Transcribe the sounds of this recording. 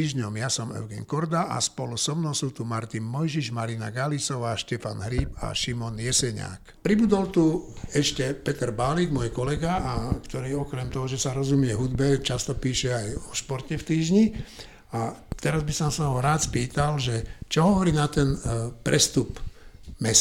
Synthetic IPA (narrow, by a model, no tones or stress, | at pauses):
iːʒɲɔmjasɔmɛ̰ʊɡɛ̰nkɔɾd̪aʔa̰spɔlusɔmnɔʊsuːt̪umaɾt̪inmɔjʒiʒmaɾina̰ɡalisɔʋaːʃcɛfanɦɾiːpa̰ʃimɔnjɛsɛɲa̰ːk | pɾibud̪ɔlt̪uɛʃcɛpɛt̪ɛɾbaliɡmɔjkɔlɛɡaakt̪ɔɾiːɔkɾɛmt̪ɔɦɔʒɛsaɾɔzumɪɛɦud̪bɛt͡ʃast̪ɔpiːʃɛajɔʃpɔɾtɛft̪iːʒɲi | at̪ɛɾazbisɔmsaɦɔɾaːt̪spiːt̪alʒɛt͡ʃɔɦɔʋɔɾiːnat̪ɛnpɾʔɛst̪upmɛs